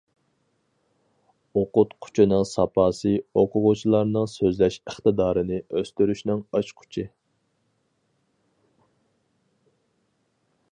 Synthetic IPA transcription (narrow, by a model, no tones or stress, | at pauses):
oqʊt̪qʰʊ̥t͡ʃʰinɨŋsɑpʰɑːsɨoqʰʊʁʊt͡ʃʰilˠɑɾnɨŋsøzlɛʃəχt̪ɨd̪ɑːɾɨnɨʔøst̪yɾyʃnɪŋɑt͡ʃqʰʊ̥t͡ʃʰɪ